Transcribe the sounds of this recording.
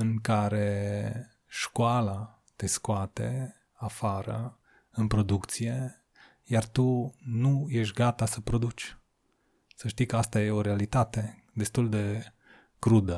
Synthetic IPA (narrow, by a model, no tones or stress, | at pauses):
ɨŋkaɾe̞ | ʃkoala | t̪e̞skoat̪e̞̰ | afaɾə̰ | ɨnpɾo̞d̪ukt̪sije̞ | jart̪unuje̞ʃ̬ʲɡat̪asəpɾo̞d̪ut͡ʃʲ | səʃt̪ijkəast̪ajeo̞ɾealit̪at̪e̞ | d̪e̞st̪uld̪e̞ | kɾud̪ə